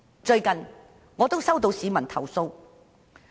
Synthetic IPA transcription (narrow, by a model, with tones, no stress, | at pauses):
t͡ʃɵ˧ɥkɐ˨n | ŋɔː˨˧t̪o˥wsɐ˥wt̪o˧wsiː˨˧mɐ˨˩nt̪ʰɐ˨˩wso˧w